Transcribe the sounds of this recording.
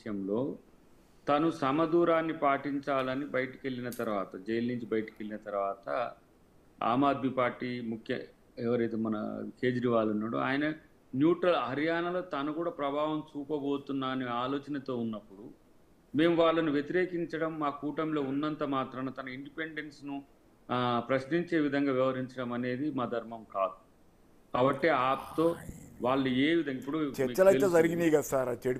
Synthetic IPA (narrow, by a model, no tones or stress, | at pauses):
jɐmlo̞ː | t̪ɐnusɐmɐd̪uːɾaːnːipaːʈiɲt͡ʃaːlɐnibɐjɐʈɐke̞ɭːinɐt̪ɐɾuʋaːt̪ɐd͡ʒɐjɐlniɲt͡ʃibɐjɐʈɐ̥ke̞ɭːinɐt̪ɐɾʋaːt̪ɐ | a̰ːmaːd̪mipaːɾʈːiːmukʰjɐ̰ | ɛʋɐɾɐjt̪eːmɐnɐ̰ke̞ːd͡ʒɾiʋaːlunːaːɽṵa̰ːjɐnɐ | njuːʈɾɐlɦɐɾjaːnɐlo̞ːt̪ɐnɐkuːɽaːpɾɐbʱaːʋɐmt͡ʃuːpɐbo̞ːt̪unːaːniaːlo̞ːt͡ʃɐnɐt̪o̞ːunːɐpːuɽu | me̞ːmuʋaːɭːɐnuʋjet̪iɾe̞ːkiɲt͡ʃɐɽɐmːaːkuːʈɐmlo̞ːunːɐnt̪ɐmaːt̪ɾɐmnɐt̪ɐnɐiɳɖipe̞ɳɖe̞nsnu | pɾɐʃniɲt͡ʃe̞ːʋid̪ʱɐŋɡaːʋiʋɐɾiɲt͡ʃɐɽɐmɐne̞ːd̪imaːd̪ʱɐɾmɐmkaːd̪u | kaːbɐʈːeaːp̚t̪o̞ːʋaːɭːueːʋid̪ʱɐŋɡaipːuɽut͡ʃɛmiːt͡ʃːɐlɐt̪ezɐɾiɡiniɡasaːɾat͡ʃei